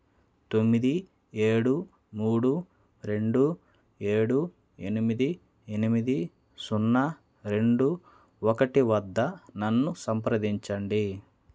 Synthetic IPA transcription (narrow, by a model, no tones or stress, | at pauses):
t̪o̞mːid̪i | e̞ːɽu | muːɽu | ɾe̞ɳɖu | e̞ːɽu | enimid̪i | enimid̪i | sunːɐ | ɾe̞ɳɖu | ɔkɐʈiʋɐd̪ːɐnɐnːusɐmpɾɐd̪iɲt͡ʃɐɳɖi